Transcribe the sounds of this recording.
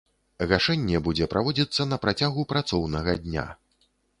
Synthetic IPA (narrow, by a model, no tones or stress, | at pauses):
ɣaʂɛnʲːɛbud͡zʲɛpɾavɔd͡zʲit̪sːɐnɐpɾat͡sʲaɣupɾat̪sɔwnɐɣɐd̪ʲnʲa̰